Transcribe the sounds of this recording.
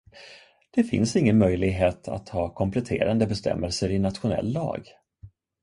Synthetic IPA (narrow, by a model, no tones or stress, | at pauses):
d̪̥ɛfɪ̰nsɪŋːənmœjlɪɡɦeːt̪ʰa̰t̪hɑːkʰɔmpʰlɛt̪ʰḛːɾand̪əbɛst̪ɛ̰mːɛlsəɾɪnat̪ɧʊnɛ̰lːɑ̰ːɡ